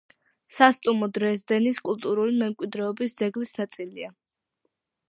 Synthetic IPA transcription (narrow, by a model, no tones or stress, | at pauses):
sast̪ʼumɔd̪ɾɛsd̪ɛniskʼulˠt̪ʼuɾulimɛmkʼwid̪ɾɛɔbisd̪zɛɡlisnat̪sʼilia